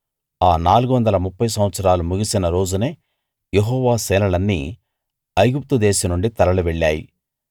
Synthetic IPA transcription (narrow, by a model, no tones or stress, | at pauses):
aːnaːluɡuʋɐnd̪ɐlɐmupːɐjsɐmʋɐt̪sɐɾaːlumuɡisinɐɾo̞ːd͡ʒune̞ː | jeɦɔːʋaːsɛːnɐlɐnːḭː | ɐjɡup̚t̪ud̪eːsɐnuɳɖit̪ɐɾɐluʋeɭːaːjḭ